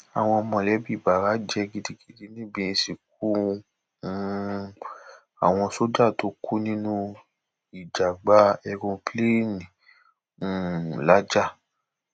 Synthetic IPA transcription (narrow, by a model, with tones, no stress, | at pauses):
a̰˨w̃ɔ̃˧mɔ̃˨lɛ˨˦bi˦˨ba˨ɾa˨˦d͡ʒɛ˧ɡi˦˧di˧ɡi˦di˧nĩ˦bĩ˧si˨k̚u˦˧˦ | a̰˨w̃ɔ̃˧so˦d͡ʒa˦˨to˨˦kʰu˦nĩ˦nũ˦ | i˨d͡ʒa˨ɡ͡ba˨˦ɛ˧ɡɔ̃˧ple˦nĩ˨ | ũ˨la˦d͡ʒa˦˨